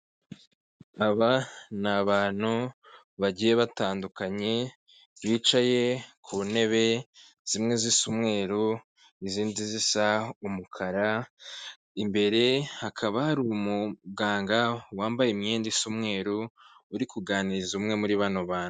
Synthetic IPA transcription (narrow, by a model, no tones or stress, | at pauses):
aβanaβaːn̥u | βaɟije̞βataːndukaɲe̞ | βit͡ʃaje̞kʰuːne̞βe̞ | z̥imŋe̞zisumŋe̞ːɾo | iziːndizisaumukʰaɾa | imbe̞ɾe̞hakʰaβahaɾumuɡaːŋɡawaːmbajemɲe̞ːndisumŋe̞ːɾouɾikuɡaːniɾzumŋe̞muɾiβanoβaːnu